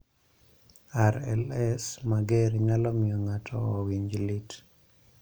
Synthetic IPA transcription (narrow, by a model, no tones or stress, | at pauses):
aɾɛ̰lɛsmaɡɛɾiŋalɔmɪɔŋatʰɔːwiɲd͡ʒlɪt